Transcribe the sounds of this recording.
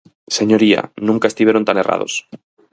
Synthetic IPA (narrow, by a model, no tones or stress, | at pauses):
seɲoɾia̰nũŋkaest̪iβjeɾont̪anera̰ð̞o̰s